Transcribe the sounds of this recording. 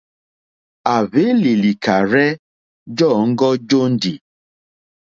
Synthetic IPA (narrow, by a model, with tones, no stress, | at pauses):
a˨βe˦li˨li˨ka˨ɾɛ˦ | d͡ʒɔ˦˨ŋ̩˦ɡɔ˦d͡ʒo˦n̩˦di˨